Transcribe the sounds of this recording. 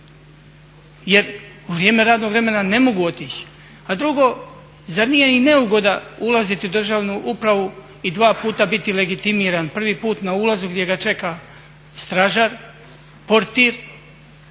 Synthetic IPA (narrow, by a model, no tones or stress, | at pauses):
je̞ɾ | uʋɾjeːme̞ɾaːd̪no̞ɡʋɾe̞me̞nane̞mo̞ɡuo̞t̪iːt͡ɕ | ad̪ɾuɡo̞ | zaɾnijeine̞uɡo̞d̪aulˠazit̪iud̪r̩ʒaːʋnuʔupɾaʋu | id̪ʋaːpuːt̪abit̪ile̞ɡit̪imiːɾanpr̩ʋiːpuːt̪naulˠazuɡd̪je̞ɡat͡ʃe̞ka | st̪ɾaʒaɾ | po̞ɾt̪iːɾ